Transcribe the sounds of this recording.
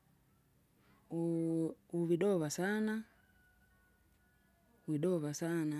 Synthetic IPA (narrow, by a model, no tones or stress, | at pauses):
uviɗɔvasana | uviɗɔvasana